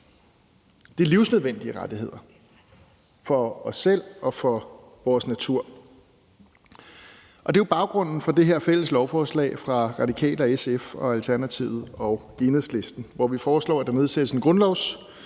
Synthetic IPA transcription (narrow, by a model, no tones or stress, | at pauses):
d̥iliʊsnøðˠʋen̰d̥iəʁɑ̈d̥iɦe̝ð̞̰ˠɐ | fɒ̽ɒ̽sel̰ɒ̽fɒ̽ | ʋɒːsnæt͡sʰuɐ̰ | ʔɒ̽d̥e̝ʊb̥ɑ̈ʊɡ̥ʁɔ̽n̰n̩fɒ̽d̥e̝ɦe̝ɐ̰fel̰əslɒʊfɒːslɛ̰ːɪfʁɑ̈ʁɑ̈d̥ikʰɛ̰ːlɐesefɒ̽ælt͡sʰæɐnæt͡sʰiʊð̩ˠɒ̽ʊ | enheð̩̰ˠsle̝sd̥n̩ʋɒʋifɒːslɒ̰ːæd̥ɑ̈ne̝ð̞ˠsed̥əsenɡ̥ʁɔ̽nlɒʊs